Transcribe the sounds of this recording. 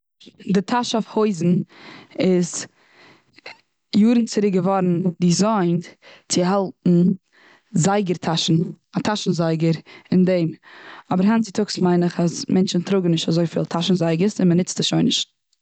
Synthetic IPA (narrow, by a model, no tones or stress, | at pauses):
dɪtʰaʃafhoɪzn̩ | ɪz | juːɾn̩t͡sɪɾɪkɡəvɔɾn̩dizaɪnt͡sɪɦalˠtn̩ | zaɪɡəɾtʰaʃn̩ | atʰaʃn̩zaɪɡəɾɪndɛɪmɔbəɾɦant͡sɪtʰʊksmaɪnɪχasmʔɛnt͡ʃn̩tɾʊɡŋ̩nɪʃtazoɪfḭːlˠtʰaʃn̩zaɪɡəsɪnmənɪt͡stɪʃoɪnɪʃt